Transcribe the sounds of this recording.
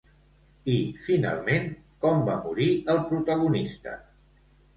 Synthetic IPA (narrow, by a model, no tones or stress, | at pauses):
ifina̰lˠmen | kɔmbamuɾiəlˠpɾut̪əɣ̞unist̪ə̰